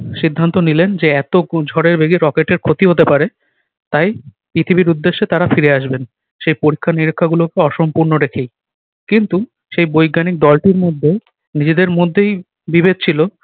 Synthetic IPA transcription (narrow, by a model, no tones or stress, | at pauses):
ʃid̪ʱːant̪onilend͡ʑeɛt̪od͡ʑʱɔɾeɾbeɡiɾɔkeʈeɾkʰot̪iɦot̪epaɾe | t̪aj | pɾit̪ʰibiɾud̪ːeʃːet̪aɾafiɾeaʃben | ʃejpoɾikʰːaniɾikʰːaɡulokeɔʃompuɾnoɾekʰej | kint̪u | ʃejbojɡanik̚d̪ɔlʈiɾmod̪ʱːe | nid͡ʑed̪eɾmod̪ʱːej | bibed̪̚t͡ɕʰilo